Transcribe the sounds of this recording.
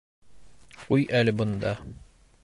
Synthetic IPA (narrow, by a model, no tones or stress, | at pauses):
qujʔælɘbŏnd̪ɑ